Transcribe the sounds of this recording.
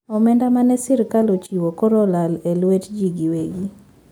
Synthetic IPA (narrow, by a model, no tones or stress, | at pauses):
ɔmɛndamanɛsɪɾkalot͡ʃiwokɔɾɔlalɛlwetd͡ʒiɡiweɡi